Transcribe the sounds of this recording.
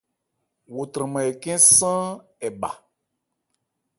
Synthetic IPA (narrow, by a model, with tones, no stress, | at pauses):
wo˨t̪ɾə̃˨mã˨ɛ˨kɛ̃˦sã˦ɛ˨ba̰˨